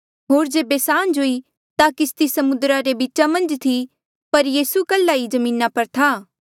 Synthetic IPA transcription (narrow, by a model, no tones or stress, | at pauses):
ɦoːɾd͡ʒeːbesaːnd͡ʒoːi | t̪akɪst̪isɐmʊd̪ɾaɾebit͡ʃamɐ̃nd͡ʒt̪ʰi | pɐɾjiːsukəlːaid͡ʒɐmĩːnapɐɾt̪ʰaː